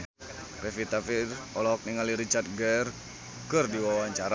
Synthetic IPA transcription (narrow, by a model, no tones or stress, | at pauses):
refit̪afirɔlɔɔk̚niŋaliɾit͡ʃart̪̚ɡɛr | kɨrdiwawaɲt͡ʃaɾa